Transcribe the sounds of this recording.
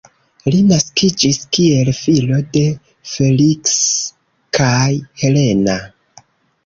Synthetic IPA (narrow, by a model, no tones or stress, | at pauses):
linaskid͡ʒiskie̞lfilo̞de̞ | fe̞liks | kʰajhe̞le̞na